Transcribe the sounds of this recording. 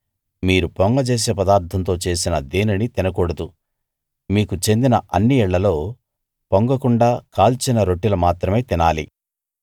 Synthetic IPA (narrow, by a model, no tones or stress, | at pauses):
miːɾupoŋɡɐt͡ʃeːs̬eːpɐd̪aːɾt̪ʰɐnt̪o̞ːt͡ʃe̞ːsinɐd̪eːninit̪inɐkuːɽɐd̪u | miːkut͡ʃe̞nd̪inɐʔɐnːiɛɭːɐlo̞ː | poŋɡɐkuɳɖaːkaːlt͡ʃinɐɾo̞ʈːilɐmaːt̪ɾɐme̞ːt̪inaːlḭ